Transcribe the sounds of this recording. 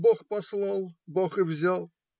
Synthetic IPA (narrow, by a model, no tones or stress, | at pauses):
boχpɐslˠɑlˠboχɨvzʲalˠ